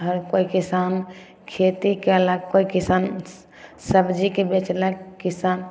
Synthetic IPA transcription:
ɦəɾkoikisan | kʰet̪ikelakkːoikisan | səbd͡ʒikebet͡ʃlɛkkːisan

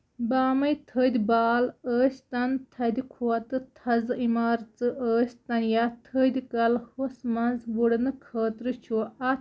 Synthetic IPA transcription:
baːmɐjt̪ʰəːd̪ʲibaːləːst̪ɐnt̪ʰɐd̪ʲikʰuɐt̪ɨt̪ʰɐzɨimaːɾt͡sɨʔəːsʲt̪ɐnjat̪ʰəːd̪ʲikɐlhosmɐnzbuɽɨnɨkʰəːt̪ɾɨt͡ʃʰuɐ

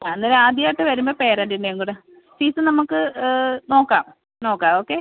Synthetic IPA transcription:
aenːɨɾaːd̪jaːʈːɨʋɐɾumboːpe̞ːɾaːɳɖinːeeŋkuːɽɨ | siːsɨnɐmukːɨno̞ːkːaːm | no̞ːkːaːmoːkːe

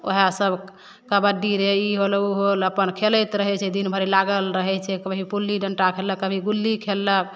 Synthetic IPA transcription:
oɦasəbʱ | kəbəɖiɾeiɦoluɦoləpənkʰelət̪ɾəɦɛt͡ʃʰɛd̪inbʱəɾilaɡəlɾəɦɛt͡ʃʰɛkəbʱipulːiɖəɳʈakʰelːəkːəbʱiɡulːikʰelːək̚

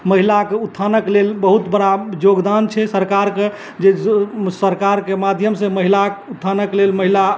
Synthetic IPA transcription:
məɦilakeut̪ʰːanəklelbəɦut̪bəɽajoɡd̪ant͡ʃʰɛsəɾkaɾke | d͡ʒesəɾkaɾkemad̪ʱjəmsẽməɦilakut̪ʰːanəklelməɦila

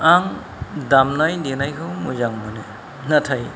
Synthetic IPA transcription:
aŋ | damnajdenajkʰɯwmuzaŋmɯne | natʰaj

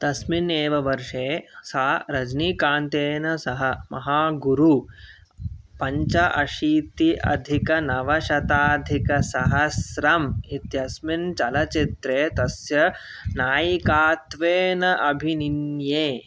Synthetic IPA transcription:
t̪ɐsmineːʋɐʋɐɾʂeːsaːɾɐd͡ʒnikaːnt̪eːnɐsɐɦɐmɐɦaːɡuɾu | pɐɲt͡ʃɐʔɐʃiːt̪iʔɐ̰d̪ʱikɐnɐʋɐʃɐt̪aːd̪ʱikɐsɐɦɐsɾɐmit̪jɐsmint͡ʃɐlɐt͡ʃit̪ɾeːt̪ɐsjɐ | naːjikaːt̪ʋeːnɐʔɐbʱininjeː

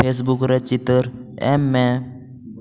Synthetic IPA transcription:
pes̬bukɾət͡ɕit̪əɾɛ̰mːɛ

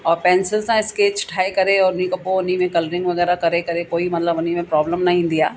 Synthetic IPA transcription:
ɔːɾpɛ̃ːnsɪlsãɪskeːt͡ʃʈʰaːekɐɾeɔːɾʊnĩkɐpoʊnimẽkɐləɾɪ̃ŋɡʋɐɣɛːɾakɐɾekɐɾekoːimɐt̪ləbʊnimẽpɾɔːbləmnɐɦĩd̪ijaː

